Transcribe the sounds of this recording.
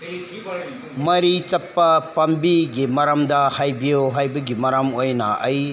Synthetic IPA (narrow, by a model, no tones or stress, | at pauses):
mɐɾit͡ʃɐpːɐpɐmbiɡimɐɾamd̪ɐhajbijoɦajbɐɡimɐɾamojnɐ̰ɐj